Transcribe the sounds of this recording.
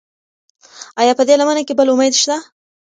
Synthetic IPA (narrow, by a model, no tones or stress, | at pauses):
ɑjɑpəd̪elamənakebəlʊmejd̪ʃt̪a